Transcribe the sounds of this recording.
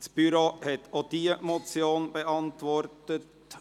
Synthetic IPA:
sb̥yɾohɛt̪oːd̥iːəmot͡sjoːnb̥əʔɑntʋɔɾtət

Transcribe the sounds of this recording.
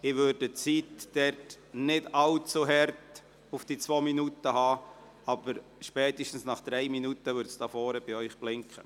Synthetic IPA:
ɪʋødət͡sitːɛɾt | nɪdɑlt͡suɦɛrt | ufd̥iːt͡sʋoːminutəhɑː | ɑb̥əɾʃpɛːt̪ɪʃtn̩snɑχd̥̪ɾɛɪminutəʋʏːɾtsd̥ɑfɔːɾəb̥iœʏχb̥lɪŋkχə

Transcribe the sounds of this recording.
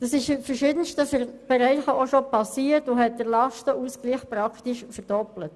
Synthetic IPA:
d̥ɑsɪʃɪfərʃɪdənʃtəfərb̥ɛɾɛɪχəoʃɔpɑsiːəɾtʊhɛt̚d̥əɾlɑʃtəʔuskliːχpɾɑktiʃfɛɾd̥ɔplət

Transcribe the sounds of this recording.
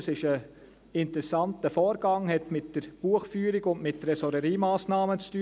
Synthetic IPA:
sɪʃə | ɪntɾɛsɑntəfɔːɾɡɑŋhɛtmɪtd̥əɾb̥uəχfyːɾiɡʊndmɪt̚ːəɾɛsɔɾəɾiːmaːsnɑːmət͡sty

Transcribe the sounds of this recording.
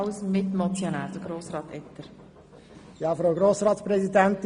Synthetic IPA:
wsmɪt̪mɔt͡sjonæːɾd̥̪əɡ̥ɾoːsɾɑːt̪ɛt̪ːəɾ | jɑːfɾaʊɡɾoːsɾɑːt̪sprɛzidænt̪

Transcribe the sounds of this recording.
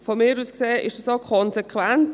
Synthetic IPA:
fɔmɪːɾuːskseːʔɪʃd̥ɑsokʰɔnzekʰʋænt

